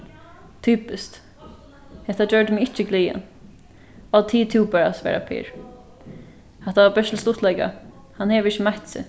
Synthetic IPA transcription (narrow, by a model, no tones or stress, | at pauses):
t̪ʰyːpɪst̪ | hɛht̪ad͡ʒœɹd̪ɪmɪɪht͡ʃɪɡliːa̰n | at̪ʰiːt̪ʰɪːpɛːɹasʋɛ̰ːɹa̰pʰɪ̰ːɹ | hat̪aʋabɛst̪l̩st̪ʊht̪lɛjka̰ | hanhɛːʋɪʃəmaht̪sɪ̰